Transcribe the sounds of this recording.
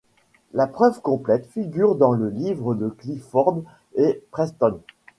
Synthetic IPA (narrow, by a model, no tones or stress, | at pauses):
lapχœvkɔ̃plɛt̪fiɡʲyʁd̪ɑ̃ləlivʁəd̪əklifɔʁd̪ | epχɛst̪ɔn